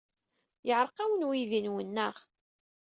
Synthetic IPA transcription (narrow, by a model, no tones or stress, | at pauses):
jəʕɾˤqæwənwiðinwənːəʁ